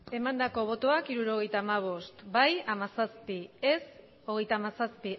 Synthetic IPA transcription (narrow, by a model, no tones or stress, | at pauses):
e̞mand̪ako̞β̞o̞t̪o̞akiɾuɾo̞ɣ̞e̞jt̪aːmaβ̞o̞st̪bajamasaspie̞s | o̞ɣ̞e̞jt̪aːmasaspi